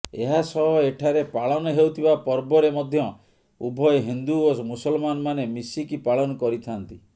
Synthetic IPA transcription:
eɦasɔɦɔeʈʰaɾepaɭɔnɔɦewt̪ʰibapɔɾbɔɾemɔd̪ʱjɔ | ubʱɔjɦind̪uomusɔlmanɔmanemisikipaɭɔnɔkɔɾit̪ʰant̪i

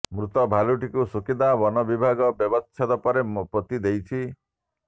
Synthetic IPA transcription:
mɾut̪ɔbʱaluʈikusukid̪abɔnɔbibʱaɡɔbjɔbɔt͡ʃʰad̪ɔpɔɾepɾɔt̪id̪ejt͡ʃʰi

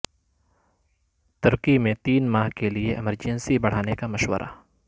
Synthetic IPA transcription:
t̪ɐɾqimẽt̪iːnmaːɦkelieʔɛməɾd͡ʒɛ̃nsibɐɽ̤aːnekamɐʃwə̰ɾʔa̰ː

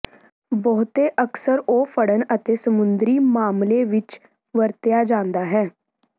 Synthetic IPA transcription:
bɔːt̪eːʔəksəɾoːpʰəɽənət̪eːsəmʊnd̪ɾiːmaːmleːʋɪt͡ʃ | ʋəɾt̪jaːd͡ʒãːnd̪aːɦɛː

